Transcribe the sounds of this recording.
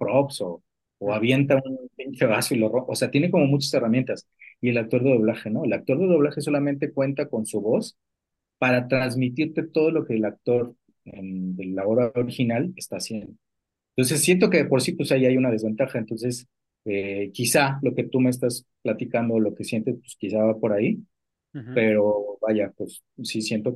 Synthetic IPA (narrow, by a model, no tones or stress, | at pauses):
pɾo̞psoː | aβje̞nt̪aunpint̪eβasoiloroo̰se̞at̪je̞neko̞mo̞mut͡ʃḁse̞ramje̞nt̪as | ie̞lak̚t̪o̞ɾðeðo̞β̞laxe̞no̞e̞lak̚t̪o̞ɾðe̞ðoβlaxe̞s̬o̞lament̪e̞kwe̞nt̪ako̞nsuβo̞s | paɾat̪ɾanzmit̪iɾt̪e̞t̪o̞ð̞o̞lo̞kelak̚t̪o̞ɾ | end̪e̞lao̞βɾao̞ɾixinalest̪aːsjend̪o | ent̪o̞ns̬e̞sːje̞nt̪̬oke̞ðe̞po̞ɾsipwesaiajunað̞e̞zβe̞nt̪axaent̪o̞nse̞s | ekisalo̞ke̞t̪umeːs̬t̪as | plat̪ikand̪olo̞ke̞sje̞nt̪e̞spwe̥skisaβapo̞ɾai | pe̞ɾo̞βaʝapwes | sisje̞nt̪o̞